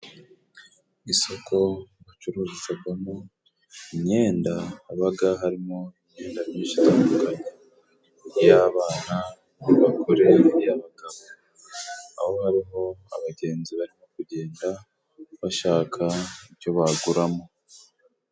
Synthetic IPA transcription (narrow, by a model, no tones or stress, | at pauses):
iso̞kʰo̞βat͡ʃuɾuːzizaɡwamo | iɲe̞ːndaːβaɡaɦaɾimoiɲɲe̞ːndamɲiːʃi̥tambuɡa | jaːβaːna | niβakʰoɾe̞jaβaɡaβo | a̰ho̞haɾiɦo̞a̰βaɟe̞ːnziβaɾimo̞kuɟe̞ːnda | βaʃaːkʰaiɾjo̞βaɡuɾamo